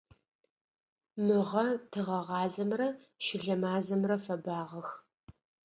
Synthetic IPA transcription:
mɨʁɐtʰɨʁɐʁɑːzɐmrɐ | ʃɪɮɐmaːzɐmrɐfɐbaːʁɐx

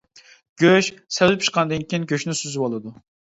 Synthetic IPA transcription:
ɡ̥ʲøʃsɛvlɪp̚ʰʲt͡ʃʰɨ̥qʰɑnɨd̪ɨnkʲiinɡʲøʃnɪsyzybolˠɨd̪u

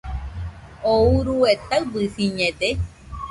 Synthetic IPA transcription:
ouɾuet̪aɨbɨfiɲẽd̪e

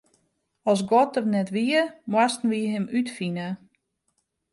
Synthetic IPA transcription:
ɔsɡɔt̚ərnɛtʋiəmwastn̩ʋiɦɪmytfinə

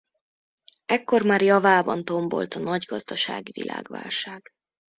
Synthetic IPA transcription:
ɛkːo̞rmaːrjɒvaːbɒnt̪o̞mbo̞̰lt̪ɒnɒɟɡɒzd̪ɒʃa̰ːɡivḭlʔa̰ːɡʋa̰ːlʃaːɡ̥

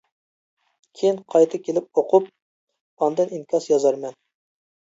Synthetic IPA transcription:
kʲʰejinqʰɑjt̪ʰɨkʲʰelɪp̚oqʰup̚ | ɑnd̪ɨninkʲʰɑsjɑzɑɾmɛn

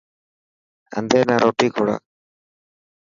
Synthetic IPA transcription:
ə̰nd̪ʱeːnaːɾoːʈiːkʰoɽa̰ː

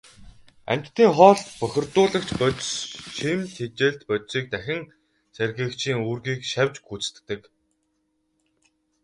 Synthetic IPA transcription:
æ̰mʲt̪ːiːŋχɔːɮpœxʲɪ̆rt̪ʊːɮə̆kt͡ɕpœtʃimt̪ʰet͡ɕeːɮt̪pœt̪siːk̚t̪æxʲɪ̆ŋ | særɣɘ̆ːkt͡ɕʰiːŋuːrɣiːkʃawʲt͡ɕɡut͡st̪t̪ːɘ̆k

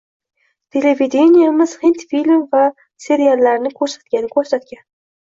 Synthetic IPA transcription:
t̪ʰe̞leved̪ʲe̞nʲijamɪz̥hint̪filʲmva | se̞ɾijalːaɾnɪkʰɵɾsat̪̚kʲanɪkʰɵɾsat̪kʲan

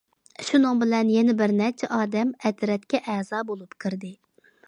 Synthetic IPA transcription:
ʃunɨŋbɪlɛnjɛnɪbɪɾnɛt͡ʃʰɛʔɑːd̪ɛmɛt̪ɾɛt̪kʲɛʔɛːzɑːbolˠupkʰɨɾd̪ɪ

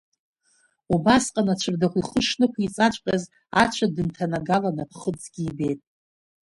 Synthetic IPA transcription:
ubasqʼanat͡ʃʷʰɨrdaχʷiχəʂnɨkʷʰit͡sʼat͡ʃʷʼkʲʼaz | a̰t͡ʃʷʰadɨntʰanaɡalanapʰχət͡sʼɡʲiːbe̞jtʼ

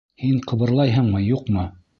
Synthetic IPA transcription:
hiɴqɤ̆βɤ̆ɾlˠɑjɦɤɴmɤjuqmɤ

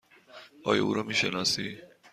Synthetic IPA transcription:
ɒːjɒ̰uːɾɒmiːʃenɒːsi

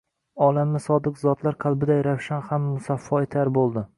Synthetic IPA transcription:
ɒlˠamːɪsɒd̪ɨqzɒt̪laɾqʰɑlˠbɪd̪ajɾawʃanhamːʊsafːɒɪt̪ʰaɾbolˠd̪ɪ

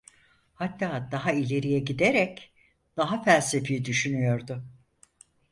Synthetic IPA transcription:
hat̪ːaːd̪aɦailʲe̞ɾijɛɟid̪eɾɛc | d̪̥aɦafælʲse̞fijid̪yʃynyjo̞ɾd̪ʊ

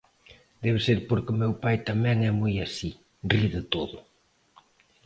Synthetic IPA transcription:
d̪ɛβɪseɾpoɾkomewpajt̪amɛ̃ŋɛmujasi | riðɪt̪oðʊ

